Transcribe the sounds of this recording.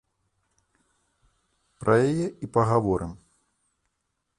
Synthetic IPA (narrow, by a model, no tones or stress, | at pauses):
pɾʔɐjajɛʔipɐɣavɔɾʔɨm